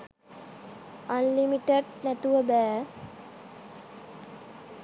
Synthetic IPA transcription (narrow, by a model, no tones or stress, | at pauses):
anlimiʈeɖnæt̪uʋəbæː